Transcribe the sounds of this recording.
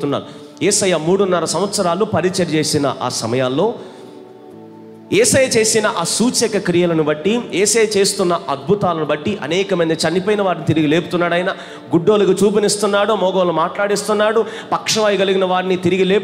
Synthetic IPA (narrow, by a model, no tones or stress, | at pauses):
t̪unːa̰ːɾu | jeːsɐjamuːɽunːɐɾɐsɐmʋɐt̪sɐɾaːlupɐɾit͡ʃɐɾt͡ʃeːsinɐ̰ʔa̰ːsɐ̰mɐjaːlːo̞ː | ɛːsɐjɐt͡ʃe̞ːsinɐʔaːsuːt͡ʃɛkɐkɾijɐlɐnubɐʈːijɛːsɐjɐt͡ʃe̞ːst̪unːɐʔɐd̪̚bʱut̪aːlɐnubɐʈːiʔɐ̰nɛːkɐmɐnd̪ɐt͡ʃɐnːipɐːjnɐʋaːɾnit̪iɾiɡile̞ːput̪unːaːɽɐjnaː | ɡuɖːoːlɐɡɐt͡ʃuːp̬inist̪unːaːɽumɔːɡoːlɐmaːʈlaːɽist̪unːaːɽupɐkʂɐʋaːjiɡɐliɡinɐʋaːɾinit̪iɾiɡileːp